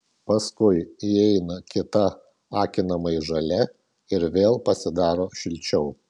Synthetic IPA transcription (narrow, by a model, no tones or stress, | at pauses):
pɐskʊɪiɛɪnɐkʲɪt̪ɐ | ɑːkʲɪnɐmɐɪʒɐlʲɛ | ɪɾʋʲeːlˠpɐsʲɪd̪ɑːɾoːʃʲɪlʲt͡ʃʲɛʊ